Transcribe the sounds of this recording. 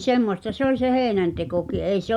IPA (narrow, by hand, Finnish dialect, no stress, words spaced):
semːostɑ se olʲ se heːnæntekoki ei se